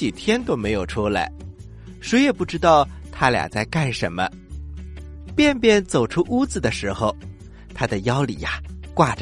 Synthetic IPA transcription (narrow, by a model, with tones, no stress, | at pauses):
i˨˩t̪ʰjɛ˥nt̪o˥ʊme˧˥ɪjo˨˩ʊʈ͡ʂʰu˥la̰˧˥ɪ | ʂwe˧˥ɪjɛ˨˩pu˥˩ʈ͡ʂɻ̩˥t̪ɑ˥˩ʊt̪ʰa˥lja̰˨˩t͡sa˥˧ɪka˥˩ɪʂə̰˧˥nmə̰˧ | pjɛ˥˧npjɛ˥˩nt͡so˨˩ʊʈ͡ʂʰu˥ʔu˥t͡sɹ̩˨d̪ə˩ʂɻ̩˧˥xo˧ʊ | t̪ʰa˥d̪ə˨jɑ˥ʊlḭ˨˩a˧kwa˥˩ʈ͡ʂ